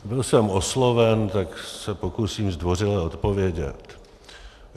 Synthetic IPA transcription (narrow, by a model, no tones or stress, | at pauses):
bɪlsɛmo̞slo̞vɛnt̪aksɛpokusiːmzd̪vo̞r̝ɪlɛo̞t̪povjɛɟɛ̰t̪